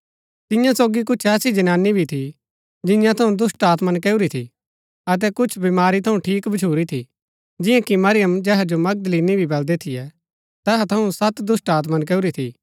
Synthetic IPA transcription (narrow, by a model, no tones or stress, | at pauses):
t̪ɪ̃jãsoːɡik̬ʊt͡ʃʰɛːsid͡ʒɐnaːnibʱit̪ʰi | d͡ʒɪ̃jãt̪ʰɐũd̪ʊsʈaːt̪mənk̬eːuɾit̪ʰḭ | ɐt̪̬ɛkʊt͡ʃʰbimaːɾit̪ʰɐũʈʰiːkbɐt͡ʃʰuːɾit̪ʰḭ | d͡ʒɪ̃jãkimɐɾɪjəmd͡ʒɛːɦad͡ʒomɐɡ̚d̪liːnibʱibɐld̪ɛt̪ʰɪjɛ | t̪ɛːɦat̪ʰɐũsɐt̪d̪ʊsʈaːt̪mank̬eːuɾit̪ʰḭ